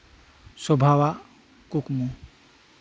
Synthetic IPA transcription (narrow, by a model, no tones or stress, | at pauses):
sɔbʱawa | kukmu